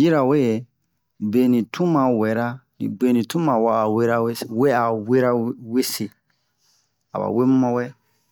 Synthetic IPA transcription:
ji˦ɾa˨we˦e˨ | be˨nĩ˨tʰũ˦mã˨wɛ˨˦ɾa˦nḭ̃˨be˨nĩ˨tũ˦mã˨wa˦a˨we˦ɾa˦we˦˨we˦a˨we˦ɾa˦we˦se˨ | a̰˨ba̰˨we˦mu˦mã˦wɛ˦

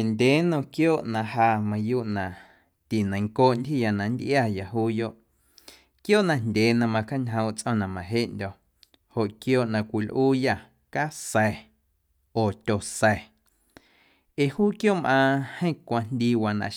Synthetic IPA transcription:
e˨ndʲeː˨˦nõ˧˨kjoː˦˨ʔnã˧ʔhaː˧mã˧juː˦ʔnã˨ | t̪i˨nã˨ŋkoː˦ʔnd̪ʲhi˦˨ja˨nã˨nd̪ʔja˧˨ja˨ɦuː˦jo˦ʔ | kjoː˦ʔnã˨ndʲeː˨nã˧mã˧ka˦ɲɦə̃˧w̃t͡sʼʔɔ̃˧˨nã˨mã˨ɦe˦˨ʔndʲɔ˧˨ | ho˨ʔkjoː˦ʔnã˧˨kʷi˨lʔuː˦ja˧˨ | ka˦sɛ˨ | oː˨t̪ʲo˨sɛ˨ | e˨huː˦kjoː˦˨mʔãː˧hə̃˦˨kʷa˧nd̪ʲiː˦˧wa˧nã̰˧˨ʔ

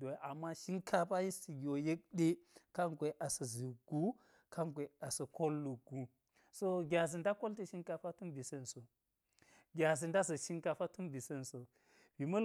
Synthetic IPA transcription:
do˨ʔa˨mːa˦ʃi˦ŋkʰa˦ɸa˦ji˦sti˨ɡi˨wo˨je˦k̚ɗe˦ka˦ŋɡʷe˨ʔa˨sɐ˨zi˨ɡu˦ | kʰa˦ŋɡʷe˨a˨sɐ˨ko˦lːu˨ɡu˦ | so˦ɡʲa˨z̬i˨nda˦ko˦lti˦˨ʃi˦ŋka˨fa˦tu˦mbi˨se˦nso˨ | ɡʲa˨zi˨nda˦s̬ɐ˨ʃi˦ŋka˨fa˦tu˦mbi˨se˦nso˨ | b̥i˨mɐ˦

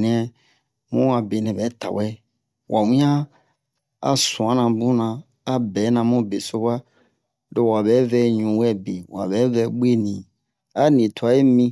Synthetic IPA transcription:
nɛ̃˨ | mũ˦a˨be˨nɛ̃˨bɛ˨˦ta̰˨wɛ˦ | wʔa˨wĩ˦ã˦ | a̰˦sũ˨ã˨˦nã˨bũ˦nã˧ | a˦bɛ˨˦nã˧˨mũ˦be˨so˦ba˦ | do˨wa˨βɛ˨˦vɛ˧˦ɲũ˨wɛ˦˨be˨wa̰˨bɛ˨˦vɛ˧˦ɡ͡be˦˨nĩ˨ | a˦nĩ˨tʰu˨a˨˦je˦mĩ˦

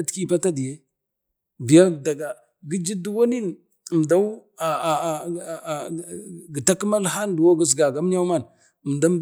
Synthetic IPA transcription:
tki˦pa˦ta˦di˨je˦ | bi˨ja˦˨da˨ɡa˨ | ɡi˦d͡ʒi˦du˦wo˦ni˦n˨ | m˨da˦u˦a˨ | ɡi˨ta˦ki˦ma˦lɦa˦n˦du˨wo˦ɡə˦z̬ɡa˨ɡa˦m˦ɲa˦ma˦˨n˨ | m˨da˦m˦b

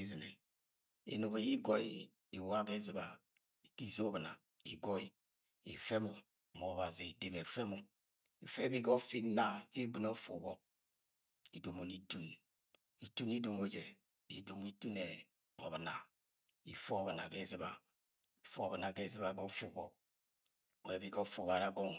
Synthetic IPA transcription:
i˦zi˨nḛ˨ | ḭ˨no˨be˨ji˦ɡo˦i˦ | i˨wa˦ɡe˦zi˨ba˨ | ki˦zo˦bna˨ | i˨ɡɔ˦i˨ | ḭ˨fe˦mu˨ | mo˨βa˨zi˨i˨de˨βe˨fe˦mu˨ | i˨fe˦bi˦ɡo˦fi˦na˨i˦ɡu˨no˦fu˨bɔ˨ | i˨do˨mo˨ni˦tu˦n | i˨tu˦ni˦do˨mo˨˦d͡ʒe˨ | ḭ˨do˨m˦i˦tu˦ne˨ | o˨βna˨ | ḭ˨fo˦˨βa˨na˨ke˦zi˦βa˨ | i˨fu˦˨βna˨ke˦zi˦βa˨ɡo˦fu˦bɔ˨ | we˨˦bi˨˦ɡo˦fu˨βa˨ɾa˨ɡo˦ŋ

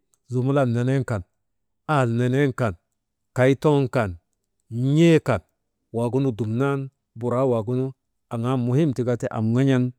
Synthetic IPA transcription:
zu˨mu˦la˦˨nne˨ne˦ŋka˨n | a˦˨lne˨ne˦nka˨n | ka˨i˦to˦ŋka˨n˦ | ɲe˦ka˨n | wa˨ɡu˦nu˦du˨mna˦n | bu˨ɾa˦wa˨ɡu˦nu˦ | a˨ŋa˦mu˨hi˦mti˨ɡa˦te˦ʔa̰˨mŋa˦ɲa˦n

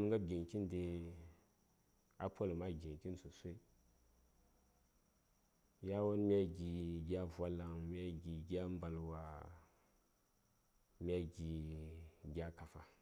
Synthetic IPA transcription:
m˦ŋɡa˦b̚ɡʲi˨ŋki˦nde˦ | a˦pʰo˦lma˦ɡʲi˨ŋkʲi˦nsu˨sʷe˦i˦ | ja˦wo˦nmʲ˦a˦ɡʲi˨ɡʲa˦vʷa˦la˨ŋmi˦a˦ɡʲi˨ɡʲa˦m˦ba˨lwa˨ | m˦a˦ɡʲi˨ | ɡʲa˦ka˨fa˨

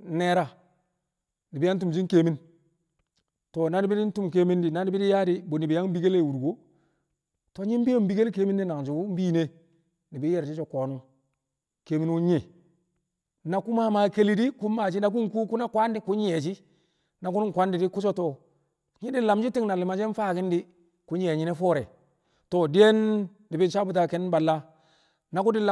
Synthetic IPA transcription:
ne˨˦ɾa˦ | ni˨bi˦a˦n˦tu˨m˨d͡ʒi˦ke˨mi˦n | to˨na˦ni˦bi˦di˦n̩˦tu˦mk̬e˦mi˦ndi˨na˦ni˦bi˦di˦ja˦di˦bo˨ni˨bi˨ja˦ŋbi˦ɡe˦le˦˨wu˨ɾɡo˦ | to˨˦ɲi˦m˦bi˦o˦m˦bi˦ɡe˦lke˦mi˦nːi˦na˨ŋd͡ʒi˨u˦m˦bi˦ne˦ | ni˨bi˦jɛ˦˨ɾt͡ʃi˦t͡ʃo˦koː˨nu˦ | ke˨mi˦nwu˦ɲe˦˨ | na˨ku˦ma˦ma˨ke˦li˦di˦ku˦mːa˨d͡ʒi˦na˨k̬u˦ŋ˦ku˦ku˦na˦kwa˦ndi˦ku˦ɲ˦e˨t͡ʃi˦ | na˨ku˦n˦ŋ˨kʷa˦ndɪ˨di˦ku˦t͡ʃɔ˦to˦˨ | ɲi˦di˦la˨md͡ʒi˦ti˦ŋna˨lɪ˨ma˨d͡ʒe˦n˦fa˦kɪ˦ndi˦ | ku˨˦ɲ˦e˨ɲi˦ne˦fɔː˦ɾɛ˨ | to˨di˦je˦n | di˨bi˦ʃa˦bu˨t̬a˦kɛ˦n˦ba˨lːa˦ | na˨ku˦dɪ˦l

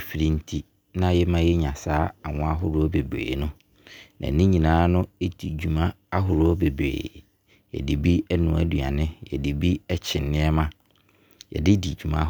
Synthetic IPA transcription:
fi˨ɾĩ˦n̩˦tʰi˦ | nã˦jɛ˦mã˦jɛ˦ɲã˨saː˦a˨ŋʊ̃˦a˦ɦʊ˦ɾʊ˦ɔ˦be˨bɾḛː˨nʊ̃˦ | nʔã̰˨nĩ˦ɲĩ˨nãː˨˦nʊ̃˦e˦di˨d͡ʑᶣu˨mã˦ | a˦ɦʊ˨ɾʊ˦ɔ˦be˨bḛː˨ | jɛ̰˨di˨bi˦ɛ˦nʊ̃˨æ˨du˨a˨nɪ̃˦jɛ̰˨di˨bi˦ɛ˦t͡ɕʰɪ̃˨nːɪ̃˦ɛ˦mã˦ | jɛ̰˨dɪ˦di˨d͡ʑᶣu˨mã̰˦

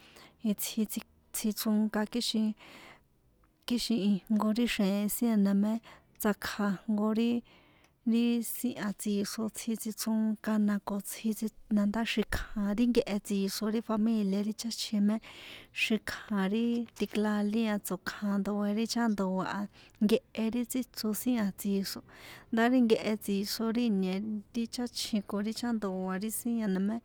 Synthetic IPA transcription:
i˧t͡sʰhi˧t͡si˧ | t͡sʰi˧t͡su˧ŋka˧ki˦ʃĩ˧ | ki˦ʃĩ˧i˧ŋŋɡo˧ɾi˦ʃẽ˨˧sj̃ẽ˧nã˧mẽ˦ | t͡sa˧kʰa˧ŋŋɡo˧ɾi˦ | ɾi˦sĩ˧ʔã˧t͡si˧ʂo˧t͡sʰhi˧t͡si˧t͡su˧ŋka˧nã˧ko˨t͡sʰhi˧i˧nã˧nd̪a˦ʃi˧kʰã˨ɾi˦ŋɡe˧ʔe˧t͡si˧ʂo˧ɾi˦fa˧mĩ˧lja˧ɾi˦t͡ʃa˦t͡ʃʰĩ˧mẽ˦ʂi˧kʰã˨ɾi˦t̪i˧kla˧lĩ˦a˧t͡so˨kʰã˧nd̪o˧e˧ɾi˦t͡ʃa˦nd̪o˨wa˧ʔa˧ŋɡe˧ʔe˧ɾi˦t͡si˦t͡so˧sĩ˦ã˧t͡si˧ʂo˧nd̪a˦ɾi˦ŋɡe˧ʔe˧t͡si˧ʂo˧ɾi˦ɲẽ˨t̪i˧t͡ʃa˦t͡ʃʰĩ˧ko˧ɾi˦t͡ʃa˦nd̪o˨wa˧ɾi˦sĩ˦ã˧nã˨mẽ˦

